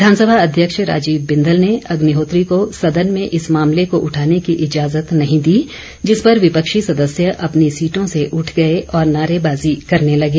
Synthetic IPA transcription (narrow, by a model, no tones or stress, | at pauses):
d̪ʱaːnsəbʱaɐd̪ʱjəkʃɾa̰ːd͡ʒiːbbɪ̃nd̪əlneɐɡnɪɦoːt̪ɾikosɐd̪ənmẽʔɪsmaːmlekoʔʊʈʰaːnekiʔɪd͡ʒaːzət̪nɐɦĩd̪iː | d͡ʒɪspɐɾʋɪpəkʃisɐd̪əsjəʔɐpnisiːʈõseʔʊʈʰɡɐeʔɔːɾnaːɾebaːzikɐɾnelɐɡeː